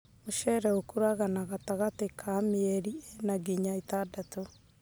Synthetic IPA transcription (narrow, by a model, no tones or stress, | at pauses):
moʃɛɾɛokuɾaɣanaɣataɣatekʰameɛɾiɛnaɡiɲaitadato